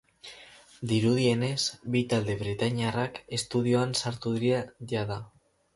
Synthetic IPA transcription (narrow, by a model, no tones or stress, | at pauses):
d̪iɾuðie̞ne̞sbit̪ald̪e̞βɾet̪aɲiarake̞st̪uðio̞ansaɾt̪uðɾaða